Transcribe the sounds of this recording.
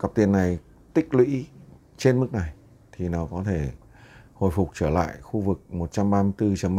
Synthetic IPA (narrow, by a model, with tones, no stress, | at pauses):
ka˨˩p̚t̪i˨˩ənːa˨˩j | t̪ï˦˥k̟̚lwḭ˧˥ | t͡ɕe˧nmɨ˦˥k̚na˨˩j | t̪ʰi˨˩nɔ˨˦wkɔ˨˦t̪ʰe˧˩ | ho̰˧˨jfʊ˨˩k͡p̚t͡ɕəː˧˩la̰ː˧˨jxu˧vɨ˨˩k̚mo˨˩t̚t͡ɕa˧mɓaː˧mɨ˧jt̪ɨ˧t͡ɕə˨˩m˦